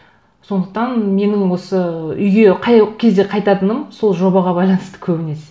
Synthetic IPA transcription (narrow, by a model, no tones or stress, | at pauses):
so̞nd̪əq̚t̪ɑnme̞nɪŋwo̞səʏjɡʲe̞qʰɑjkʲʰe̞zd̪e̞qʰɑjt̪ɑt̪ənəmso̞lˠʒo̞bɑʁɑbɑjlˠɑnəst̪ə̥kʲʰɵbɪne̞s